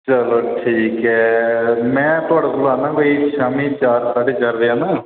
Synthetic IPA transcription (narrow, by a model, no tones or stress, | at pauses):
t͡ʃəloʈʰiːkɦɛːmɛ̃ːt̪ʊaːɽaːbʊlaːnãːbəiʃaːmiːt͡ʃaːɾsaːɖeːt͡ʃaɾd̪eːãːnaː